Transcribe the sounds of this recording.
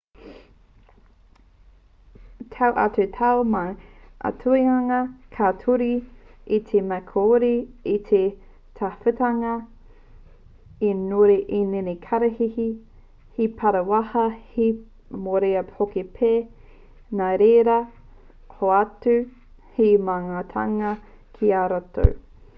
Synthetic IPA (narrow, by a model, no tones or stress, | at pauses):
tʰawʔɐ̰tutʰawmaʔɐ̰tʰuiɐŋɐkʰatʰuɾiit̪ʰemɛkʰoːɾiit̪ʰe | tʰafɨtɐŋɐ | enoɾeʔenenekʰaɾɐhihi | hipʰɐɾɐwɐhɐhi | moɾeɐhokepʰe | naɾeːɾɐ | hoatʉ | himaŋaːtʰaŋɐ | kʰiaɾato̰w